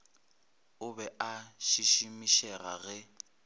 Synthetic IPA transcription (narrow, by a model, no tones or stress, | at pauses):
ʊbɛʔaʃiʃimiʃɛra̰ɣɛ